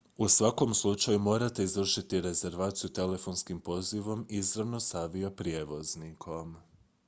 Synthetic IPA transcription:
usʋako̞mslˠut͡ʃajumo̞ːɾat̪e̞izʋr̩ʃit̪iɾe̞ze̞ɾʋaːt̪sijut̪e̞le̞fo̞nskimpo̞ziʋo̞mizɾaʋno̞saʋijopɾje̞ʋo̞znikʰo̞m

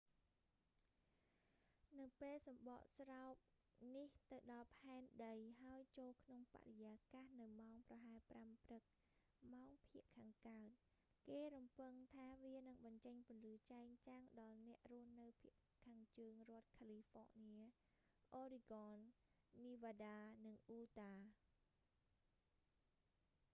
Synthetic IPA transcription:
nɨwpeːlsɑmɓɑ̰ʔsraɔp̚ | niht̪ɨwɗɑlpʰaɛnɗəjɦaəjt͡ɕoːlkʰnoŋpa̰ʔrejaːkaːhnɨwmaɔŋprɑɦaɛpramprɨk̚ | maɔŋpʰiəʔkʰaːŋkat̪̚ | keːɾumpɨŋt̪ʰaːʋiənɨŋɓɑɲt͡ɕəɲpʊ̆ənlɨːt͡ɕaɛŋt͡ɕaŋɗɑlnɛ̆əʔruəhnɨwpʰiəʔ | kʰaːŋt͡ɕəːŋrŏət̪̚kʰaːliːfɔ̰ːniə | ʔoːɾiɡɑːnː | iːʋaːɗaːnɨŋʔuːt̪aː

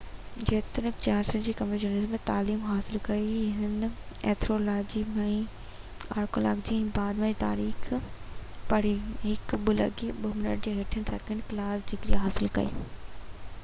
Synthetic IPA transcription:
d͡ʑeːt̪ɪɾ̃t͡ɕaːɾsɪd͡ʑiːkɐmɾed͡ʑunɪzmːẽt̪aːliːmɦaːsɪlkɐiɦɪɪneːt̪ʰɾoːlaːd͡ʑimɛ̃ː | a̰ːɾko̰ːla̰ːɡd͡ʑĩːbaːd̪mẽd͡ʑit̪a̰ːɾiːx | pɐɽ̤iɦɪkbʊlə̰ɡiɓəmɪnə̰ʈ̚d͡ʑeːɦɪʈʰənsɛːkə̃ɳɖklaːsd͡ʑɪkɾiɦaːsɪlkɐ̰ḭː

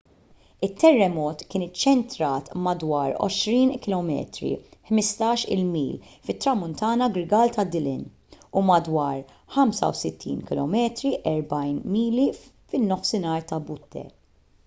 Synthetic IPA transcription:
ɪt̪ʰːɛrːɛmɔːt̪kɪːnɪt͡ʃːɛnt̪ɾɐːt̪mɐd̪wɐːɾɔ̰ʃɾiːnkɪlɔmɛ̰ːt̪ɾḭħmɪst̪ɐːʃɪ̰lmḭːlfɪt̪ːɾɐmːʊnt̪ɐːnɐɡɾɪɡɐːlt̪ʰɐd̪ːɪlɪ̰nː | umɐd̪wɐːɾ | ħɐmsɐ̰wsɪt̪ːḭːnkɪlɔ̰mɛːt̪ɾiʔɛɾbɐjnmiːli | fɪnːɔfsɪnɐːɾt̪ɐbʊt̪ːɛ̰

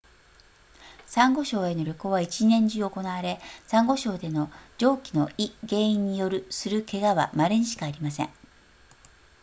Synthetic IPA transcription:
sãŋɡo̞ɕo̞ːe̞noɾʲokoːβait͡ɕinẽ̞ɲ̟d͡ʑɨoko̞naβaɾe̞sãŋɡo̞ɕo̞ːd̪e̞no̞d͡ʑo̞ːkʲino̞iɡe̞ːĩɲ̟ːijo̞ɾɯ̟sɨɾɯ̟ke̞ɡaβa̰maɾeɲiɕi̥kaːɾʲimasḛ̃ɴ

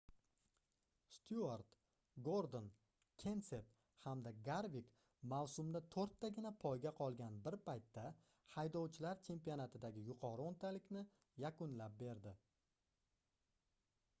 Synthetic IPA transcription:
st̪ʰuaɾt̪ | ɡoɾd̪on | kʲʰe̞nse̞p | hamd̪aɡaɾvik | mawsʊmd̪at̪ʰoɾt̪ʰːaɡʲɪnapʰɒjɡʲaqʰɒlˠɡʲanbɪɾpʰajt̪ʰːa | hajd̪ɒwt͡ʃʰɪlaɾt͡ʃʰe̞mpijonat̪ʰɪd̪aɡʲɪjʊqʰɒɾɨont̪ʰalɪkʲnɪ | jakʊnlap̚be̞ɾd̪ɪ

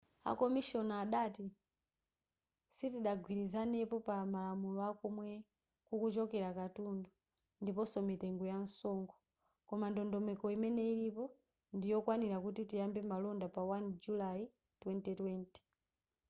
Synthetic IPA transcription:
a̰kɔmiʃɔnaaɗati | sitiɗaɡwiɾizanɛpɔpamalamulɔakɔmwɛ | kukut͡ʃɔkɛɾakatundɔ | ndipɔsɔmitɛŋɡɔjan̩sɔŋɡɔ | kɔmandɔndɔmɛkɔimɛnɛiɾipɔ | ndijɔkwaniɾakutitijambɛmalɔndapawand͡ʒulai | twɛntɛtwɛntɛ̥

